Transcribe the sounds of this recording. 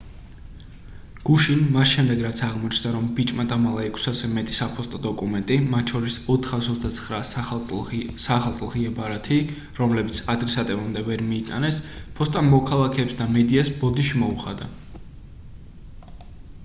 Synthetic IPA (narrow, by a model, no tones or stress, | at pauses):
ɡ̥uʃinmasʃɛmd̪ɛɡɾat̪sʰaʁmɔt͡ʃʰnd̪aɾɔmbit͡ʃʼmat̪ʼamalˠaɛkʰsazɛmɛt̪ʼi̥sapʰɔst̪ʼɔd̪ɔkʼumɛnt̪ʼimat̪ʃʰɔɾisɔt̪ʰχasɔd̪at̪sʰχɾa | saχalˠt̪sʼlˠʁiabaɾat̪ʰi | ɾɔmlɛbit̪sʰad̪ɾɛsat̪ʼɛbamd̪ɛvɛɾmiːt̪ʼa̰nɛspʰɔst̪ʼamɔkʰalˠakʰɛːpsd̪amɛd̪iasbɔd̪iʃimɔuχad̪a